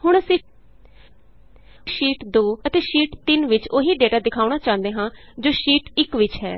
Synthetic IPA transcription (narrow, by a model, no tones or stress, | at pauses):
ɦʊɳ̃əsĩː | ʃiːʈd̪oːət̪eːʃiːʈt̪ɪnʋɪt͡ʃoɦiːɖeːʈaːd̪ɪkʰaːʊɳaːt͡ʃãːnd̪eːɦãː | d͡ʒoːʃiːʈɪkʋɪt͡ʃɦɛ̰ː